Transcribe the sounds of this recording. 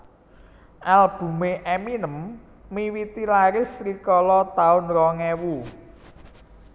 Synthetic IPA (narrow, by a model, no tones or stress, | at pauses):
ʔalb̥ṳmeʔɛminəmː | iwit̪ilaɾɪsrikɔlɔt̪aʊnrɔŋɛwu